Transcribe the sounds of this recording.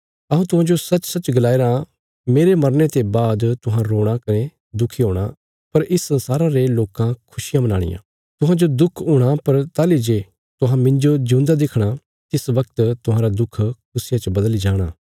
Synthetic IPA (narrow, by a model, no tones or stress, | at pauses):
ɐɦũt̪ʊɦãːd͡ʒosɐt͡ʃːsɐt͡ʃɡɐlaːeɾã | meːɾemɐɾnet̪ebaːd̪t̪ʊɦãɾoːɽ̃akɐnẽ | d̪ʊkʰːiɦoːɽ̃a̰ | pɐɾɪsːɐ̃nsaːɾãɾeloːkãkʰʊsɪjãmɐna̰ːɽ̃ɪ̰jã̰ː | t̪ʊɦãd͡ʒod̪ʊkʰʊːɽ̃apɐɾt̪aːlid͡ʒe | t̪ʊɦãmɪ̃ɲd͡ʒod͡ʒũːnd̪ad̪ɪkʰɽ̃a | t̪ɪsʋɐkt̪t̪ʊɦãːɾad̪ʊkʰk̚ʰʊsɪjãt͡ʃɐbɐd̪əlid͡ʒaːɽ̃aː